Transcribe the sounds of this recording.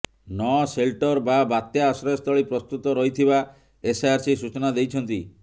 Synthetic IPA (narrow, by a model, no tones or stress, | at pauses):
nɔselʈɔɾbabat̪jaːsɾɔjɔst̪ɔɭipɾɔst̪ut̪ɔɾɔɦit̪ʰiba | esajaɾsisut͡ʃɔnad̪ejt͡ʃʰɔnt̪i